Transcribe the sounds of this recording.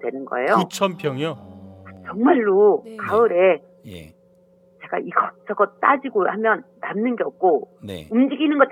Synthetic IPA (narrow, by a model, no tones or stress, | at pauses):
dwe̞nɯnɡʌ̰e̞̰jout͡ɕʰʌmpʰjʌŋot͡ɕʌŋmaɭːokaɯɾe̞ | jḛ | t͡ɕe̞ɡa̰iɡʌt͡ɕʌɡʌt͈ad͡ʑiɡohamjʌnːamnɯnɡe̞ʌp̚k͈onḛumd͡ʑiɡinɯnɡʌt